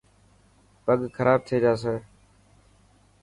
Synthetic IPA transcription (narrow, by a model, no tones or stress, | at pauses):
pəɠkʰəɾʔaːb̚t̪ʰeːd͡ʒaːs̬eː